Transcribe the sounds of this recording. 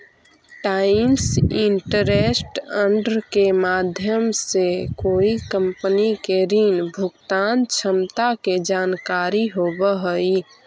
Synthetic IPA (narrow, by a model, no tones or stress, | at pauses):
ʈaɪmsiɳʈəɾesʈəɳɖɾkemad̪ʱjəmsekoːikə̃mpənikeɾiːnbʱukt̪aːnt͡ʃʰəmt̪aked͡ʒaːnkaɾiɦobəɦəi